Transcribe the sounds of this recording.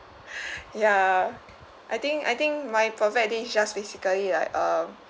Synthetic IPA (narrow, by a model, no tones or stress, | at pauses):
ja | ʔajt̪ĩŋka̰jt̪ĩŋkmajpɹɔfɛt̚desd͡ʒasbesikəlilaɪkʌ̃m